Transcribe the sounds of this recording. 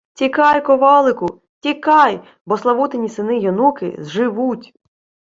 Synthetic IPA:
tʲikɑjkɔʋɑlˠɪkʊ | tʲikɑj | bɔslˠɐʋut̪enʲisɪnɪjɔnukɪ̰zʒɪʋutʲ

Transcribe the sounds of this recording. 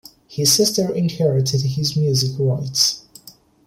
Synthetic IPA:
hɪz̥sɪstə˞ʔɪ̃nhɛɹɪtʰɪd̚ɪzmjʉzɪkɹaɪts

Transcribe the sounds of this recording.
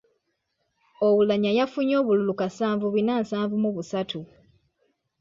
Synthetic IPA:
owulaɲajafuɲo̞ːβululukasaːɱvuβinaːnsaːɱvumuβusatʰu

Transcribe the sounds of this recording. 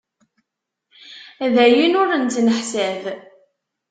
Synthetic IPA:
ðæjinʊɾənt͡s̪ːnəħsæð

